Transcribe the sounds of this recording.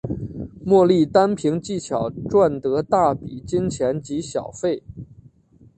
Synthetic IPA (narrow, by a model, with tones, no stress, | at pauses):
mwɔ˥˧li˥˩t̪a˥npʰi˧˥ŋt͡ɕi˥˩t͡ɕʰjɑ˨˩ʊʈ͡ʂwa˥˩nt̪ɤ˧˥t̪a˥˩pḭ˨˩t͡ɕi˥nt͡ɕʰjɛ˧˥nt͡ɕi˧˥ɕjɑ˨˩ʊfe˥˩ɪ